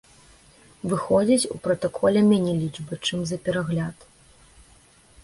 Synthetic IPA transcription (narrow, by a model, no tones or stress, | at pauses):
vɨxɔd͡zʲit͡sʲṵpɾɐt̪ɐkʰɔlʲɐmʲɛnʲɛlʲit͡ʂbɨt͡ʂɨmzɐpʲɛɾaɣlʲat̪